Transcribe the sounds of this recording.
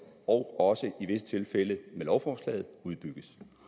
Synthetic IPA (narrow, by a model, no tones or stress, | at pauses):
ɒʊɒ̽səʔiʋe̝sə̥t͡sʰe̝lfeləmelɒʊfɒːslɛ̰ːð̞̩ˠuð̞ˠb̥yɡ̥əs